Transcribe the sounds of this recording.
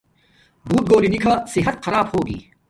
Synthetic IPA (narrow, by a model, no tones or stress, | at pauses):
buːt̪̚ɡoːlinɪkʰaːsɪɦət̪xɐɾaːbhoːɡḭː